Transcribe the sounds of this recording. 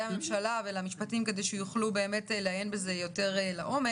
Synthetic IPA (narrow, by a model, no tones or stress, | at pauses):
amemʃalavelamiʃpatimke̞d̪ejʃɛjuχlube̞ːme̞teleajenbeze̞jo̞te̞ʁelaʔo̞me